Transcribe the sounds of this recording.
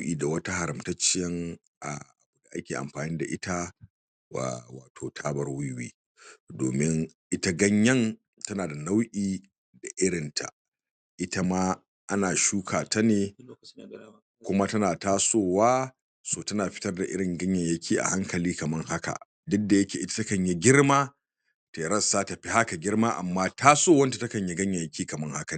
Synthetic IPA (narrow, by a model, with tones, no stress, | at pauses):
ʔʲiː˨da˨wɐ˦ta˦ha˨ɾɐ˨mtɐ˦t͡ʃːɪ˦jɐ˦ŋ | ʔa̰˨ʔa̰˨bʊ˨da˨ʔa˦kʲeː˨ʔa̰˨mɸaː˨ni˦da̰˨ʔɪ˦ta̰˦˨ | wa̰ː˨tʰoː˨tʰaː˦bɐ˦rwʊ˦jwḭː˦ | do̰ː˨mɪ˦ŋʔɪ˦ta˦ɡɐ˦ɲjɐ˦ŋ | tɐ˦naː˨da˨na˦wʔʲʼiː˦ | da˨ʔɪ˦ɽɪ˨ntʰa̰˨ | ʔɪ˦ta˦maː˦ | ʔa˦naː˨ʃuː˦kʰaː˨ta˦neː˨ | kʷʊ˦ma˦tɐ˦naː˨taː˦soː˦˨waː˦ | soː˨tɐ˦naː˨ɸɪ̥˦tɐ˦rda˨ʔɪ̰˦ɽɪ˨ŋɡɐ˦ɲjɐ˨ɲjɐ˦kʲʰiː˦ʔa̰˨ha˦ŋkɐ˨liː˦kɐ˨mɐ˦ŋha˦ka̰˨ | dʊ˦da˨jɐ˦kʲeː˨ʔɪ˦ta˦tɐ˦kɐ˨ɲji˦ɡʲɪ˦ɽmaː˦ | te˨ɾɐ˦sːaː˦ta˨ɸi˦ha˦ka˨ɡʲɪ˦ɾmaː˦ʔa̰˨mːaː˦tʰaː˦soː˦˨wɐ˦nta˨tɐ˦kɐ˨ɲji˦ɡɐ˦ɲjɐ˨ɲ˨jɐ˦kʲiː˦kɐ˨mɐ˦ŋha˦ka˨